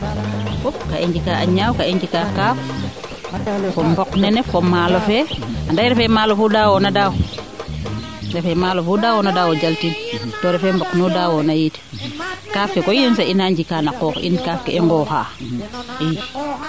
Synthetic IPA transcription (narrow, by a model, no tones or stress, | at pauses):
fup̚kaʔeɲd͡ʒikaʔaɲawkaeɲd͡ʒikakaːf | fɔmbɔknɛnɛfɔmalɔfɛandajɾɛfɛmalofudawɔnadaw | ɾɛfɛmalofudawɔnadawod͡ʒaltintɔɾɛfɛmbɔknudawɔnajit | kaːfkɛkojinsainaɲd͡ʒikanakɔːkʔḭnkafkɛɛŋɡɔha̰ | i